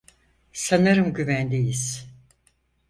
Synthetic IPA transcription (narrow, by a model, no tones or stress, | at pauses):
sanaɾɯmɟyvænd̪ejiz̥